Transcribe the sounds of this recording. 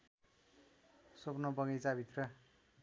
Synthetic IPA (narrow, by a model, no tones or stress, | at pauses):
sopnʌbʌŋet͡sabʱit̪rʌ